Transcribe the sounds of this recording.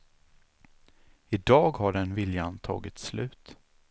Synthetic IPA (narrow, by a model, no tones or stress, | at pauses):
ɪd̪ɑːɡhaɖɛnvɪljant̪ʰɑ̰ːɡɪt̪slʉ̟ːt̪